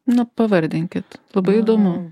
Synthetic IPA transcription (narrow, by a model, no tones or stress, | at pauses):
nɐpɐʋɐɾʲd̪ʲɪŋʲkʲɪt̪lˠɐbɐɪid̪oːmʊ